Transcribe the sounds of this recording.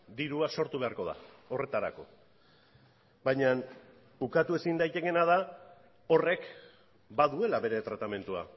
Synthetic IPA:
d̪iɾuaso̞ɾt̪uβe̞aɾko̞ða̰ | o̞re̞t̪aɾa̰ko̞̰ | bajɲan | ukat̪ue̞sind̪ajt̪e̞ke̞naða | o̞re̞k | baðue̞laβe̞ɾe̞t̪ɾat̪ame̞nt̪ua̰

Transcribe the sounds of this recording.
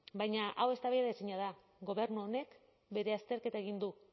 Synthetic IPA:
bajɲaʔawe̞st̪aβejaðaesiɲað̞a | ɣo̞βe̞ɾnuone̞k | be̞ɾe̞ast̪e̞ɾke̞t̪ae̞ɣind̪u

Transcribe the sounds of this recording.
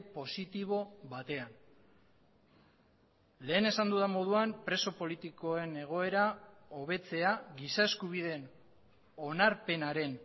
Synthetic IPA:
po̞sit̪iβ̞o̞βat̪e̞an | le̞ːne̞sand̪uðamo̞ð̞uampɾe̞so̞po̞lit̪iko̞e̞ne̞ɣ̞o̞e̞ɾao̞β̞e̞t͡se̞aɣisae̞skuβ̞iðe̞n | o̞naɾpe̞naɾe̞n

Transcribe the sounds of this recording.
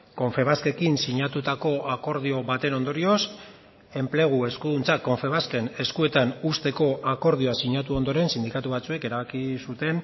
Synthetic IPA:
ko̞ɱfe̞β̞aske̞kinsiɲat̪ut̪ako̞ako̞ɾðio̞βat̪e̞no̞nd̪o̞ɾio̞s | e̞mple̞ɣ̞ue̞skuðunt͡sako̞ɱfe̞β̞aske̞ne̞skue̞t̪anust̪e̞ko̞ʔako̞ɾð̞ioasiɲat̪̬uo̞nd̪o̞ɾe̞nsind̪ikat̪uβat͡sue̞ke̞ɾaβakisut̪e̞n

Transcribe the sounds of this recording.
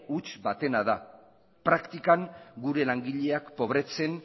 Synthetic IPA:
ut͡ʃbat̪e̞nað̞a | pɾakt̪ikaŋɡuɾe̞laŋɡiʎe̞akpo̞βɾe̞t͡se̞n

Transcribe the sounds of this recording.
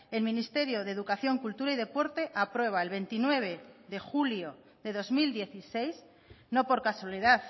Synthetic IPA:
e̞lmĩnist̪e̞ɾjo̞ðeðukaθjo̞ŋkult̪uɾaiðe̞po̞ɾt̪e̞ʔapɾwe̞β̞aelβe̞nt̪inwe̞βe̞ðe̞xuljo | ðe̞ðo̞zmild̪je̞θise̞js | no̞po̞ɾkaswaliðaθ

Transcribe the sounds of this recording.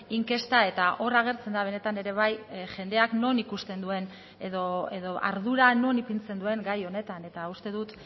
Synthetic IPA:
iŋke̞st̪ae̞t̪aʔo̞raɣ̞e̞ɾt͡se̞nd̪aβ̞e̞ne̞t̪ane̞ɾe̞β̞ajʝe̞nd̪e̞akno̞nikust̪e̞nd̪ue̞n | eðo̞e̞ðo̞a̰ɾðuɾano̞nipint͡se̞nd̪ue̞ŋɡajo̞ne̞t̪ane̞t̪aust̪e̞ðut̪

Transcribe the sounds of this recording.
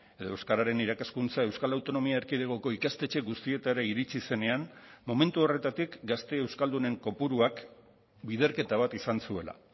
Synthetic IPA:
e̞ðoe̞wskaɾaɾe̞niɾakaskunt͡sae̞wskalawt̪o̞no̞miaeɾkiðeɣ̞oko̞ikast̪e̞t͡ʃe̞ɡust̪ie̞t̪aɾaiɾit͡sise̞ne̞anmo̞me̞nt̪uo̞re̞t̪at̪ikɡast̪e̞ːwskald̪une̞ŋko̞puɾuak | biðe̞ɾke̞t̪aβ̞at̪isansue̞la̰

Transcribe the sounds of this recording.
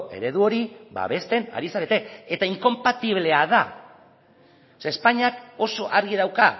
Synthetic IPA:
e̞̰ɾe̞ðuo̞ɾiba̰βe̞st̪e̞na̰ɾisaɾe̞t̪e̞et̪aiŋko̞mpat̪iβle̞aða | sespaɲako̞so̞ʔaɾɣiðawka

